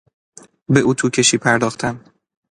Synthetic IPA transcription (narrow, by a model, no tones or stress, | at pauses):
be̞ʔuːt̪ʰuːcʰe̞ʃiːpʰæɾd̪ɒːxt̪ʰæm